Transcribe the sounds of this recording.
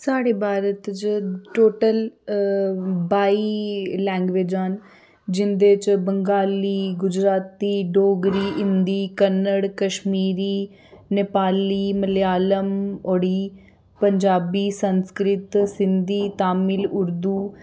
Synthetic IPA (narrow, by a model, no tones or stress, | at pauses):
saːɽeːbaːɾət̪t͡ʃʈoːʈəl | baːiːlɛ̃ːŋɡʋeːd͡ʒən | d͡ʒɪnd̪eːt͡ʃbəŋɡaːliːɡʊd͡ʒɾaːt̪iːɖoːɡɾiːʔɪnd̪iːkənːəɽkəʃmiːɾiː | nɪpaːliːməljaːləmoɽiː | pəɲd͡ʒaːbiːsənskɾɪt̪sɪnd̪iːt̪aːmɪlʊɾd̪uː